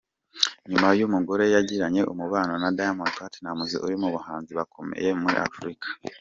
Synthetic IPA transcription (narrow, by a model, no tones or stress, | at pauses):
ɲumajumuɡo̞ɾe̞jaɟiɾaɲe̞ʔumuβaːnonadajamonkatnamuzḭʔṵɾimuβuhaːnziβakʰo̞mḛje̞muɾḭʔa̰fuɾikḁ